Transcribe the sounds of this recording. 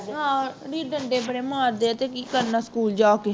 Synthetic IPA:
ɦãːɾiːɖəɳɖeːbəɽeːmaːɾd̪eːt̪eːkiːkəɾnaːskuːld͡ʒaːkeː

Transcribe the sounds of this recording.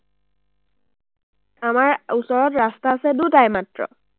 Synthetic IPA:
amaɹusɔɹɔtɹastaːsɛdutajmatɹɔ̰

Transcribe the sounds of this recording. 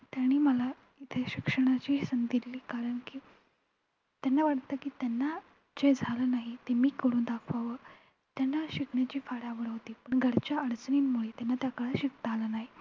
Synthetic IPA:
t̪jaɽ̃iːməla | it̪ʰeɕikʂəɽ̃at͡ɕiːsənd̪ilːiːkaɾəɳkiː | t̪janːaʋaʈt̪akiːt̪janːa | d͡ʑed͡zʱaləːnaɦit̪emiːkəɽũːnd̪akʰʋaʋəː | t̪janːaɕikʰɳjat͡ɕiːfaɽaʋəɾɦot̪iːpəɳɡʱəɾt͡ɕjaəɽt͡sniːnmuɭet̪janːat̪jakəɭəɕikt̪alənaɦi

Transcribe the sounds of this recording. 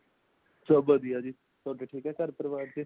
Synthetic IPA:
sobəd̪ijaːd͡ʒiː | sɔːʈeːʈʰiːkɦɛːkəɾpɾəʋaːɾt̪eː

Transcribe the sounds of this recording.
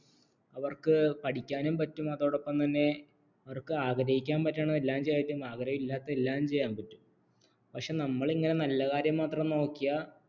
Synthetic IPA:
ɐʋɐrkɨpɐʈikʲːaːnumpɐtːumɐðoːɽopːɐmt̪ɐnːe̞ | ɐʋɐrkɨaːɡɾɐhikʲːaːnpɐtːaːɳnelːaːmt͡ɕe̞jitːumaːɡɐɾɐjɐmilːaːt̪ːɐelːaːmt͡ɕe̞jːaːnpɐtːu̥m | pɐkʂe̞nɐmːɐɭiŋːɐne̞nɐlːɐkaːɾjɐmːaːt̪rɐmno̞ːkːijɐ

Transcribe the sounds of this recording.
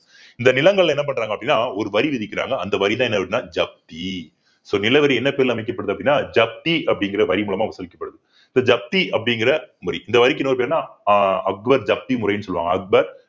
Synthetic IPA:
ɪnd̪ɐnɪlɐŋɡɐɭlɛnːɐp̬ɐɳːɾaːŋɡɐpːɐɽɪnːaːɔɾɯʋɐɾiʋɪðɪkːɪɾa̰ːŋɡɐɐnd̪ɐʋɐɾit̪ãːɛnːɐpɐʈnːaːd͡ʒɐp̚t̪i | soːnɪlɐʋɐɾiɛnːɐpeːɾɪlɐmɐɪkːɐpːɐɽɯðɯɐpːɐɽɪnːaːd͡ʒɐp̚t̪iɐpːɐɽɪŋɡɪɾɐʋɐɾimuːɭɐmaːʋɐsɐlɪkːɐpːɐɽɯðɯ | ɪnd̪ɐd͡ʒɐp̚t̪iɐpːɐɽɪŋɡɪɾɐmʊɾḭʔɪnd̪ɐʋɐɾɪk̬ːɯnoːɾɯpeːɾnaːɐk̚bɐɾd͡ʒɐp̚t̪imʊɾɐjnːɯsɔlːɯʋa̰ːŋɡɐ̰ɐk̚bɐɾ

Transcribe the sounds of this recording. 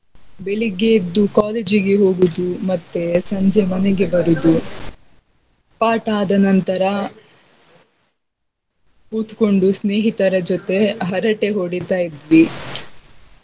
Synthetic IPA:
beɭiɡeid̪ːukaːleːd͡ʒiɡe̞ɦo̞ːɡud̪umɐt̪ːe̞sɐɲd͡ʒemɐneɡe̞bɐɾud̪u | paːʈaːd̪ɐnɐnt̪ɐɾɐ | kuːt̪ko̞ɳɖusneːɦit̪ɐɾɐd͡ʒot̪e̞ɦɐɾɐʈe̞ɦoːɽit̪aːjid̪ʋi

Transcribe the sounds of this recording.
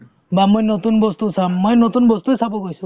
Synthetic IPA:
bamojnot̪unbɔst̪usamːojnot̪unbɔst̪uesabɔɡojsu

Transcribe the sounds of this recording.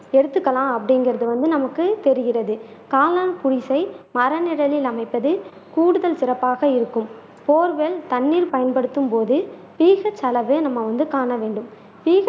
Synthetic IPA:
ɛɽɯt̪ːɯkːɐlãːɐpːɐɽɪŋɡɪɾɐðɯʋɐnd̪ɯnɐmɐkːɯt̪ɛɾɯɣɪrɐðɯ | kaːlaːnkʊɽɪsɐɪmɐɾɐnɪɽɐlɪlɐmɐɪpːɐðɯ | kuːɽɯðɐlsɪɾɐpːaːɣɐɪɾɯkːɯm | poːɾʋeːlt̪ɐɳːiːɾpɐjɐnpɐɽɯt̪ːɯmpoːðɯ | piːɣɐt͡ʃːɐlɐʋeːnɐmːɐʋɐnd̪ɯkaːɳɐʋeːɳɖɯm | piːɣ

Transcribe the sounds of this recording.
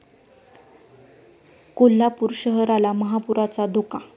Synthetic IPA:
kolːapuɾɕəɦəɾalaməɦapuɾʔat͡sad̪oka

